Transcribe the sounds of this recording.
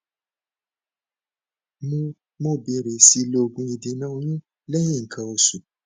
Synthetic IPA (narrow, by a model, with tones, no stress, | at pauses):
mũ˧ | mõ˦˨bi˨˧ɾe˨si˦˧lo˧o˨˧ɡũ˧i˧dĩ˨nã˦o˧˦ɲũ˦ | lɛ˦jĩ˦˨ŋ̩˨kʰã˧o˧su˨